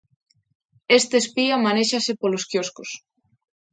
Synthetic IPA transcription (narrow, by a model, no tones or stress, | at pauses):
est̪eːspiamaneʃasepoloskjoskos